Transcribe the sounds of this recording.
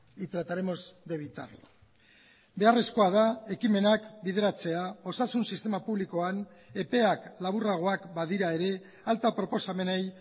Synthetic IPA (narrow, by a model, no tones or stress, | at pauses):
it̪ɾat̪aɾemo̞zd̪e̞βit̪a̰rlo | be̞are̞sko̞aðae̞kime̞nakbið̞e̞ɾat͡se̞ao̞sasunsist̪emapuβliko̞ane̞pe̞aklaβuraɣ̞o̞akbaðiɾae̞ɾe̞ | alt̪apɾopo̞same̞nej